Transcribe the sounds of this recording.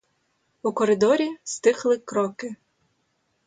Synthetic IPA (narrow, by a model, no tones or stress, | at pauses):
ukɔɾɪd̪ɔɾʲist̪ɪxlˠɪkɾɔkɪ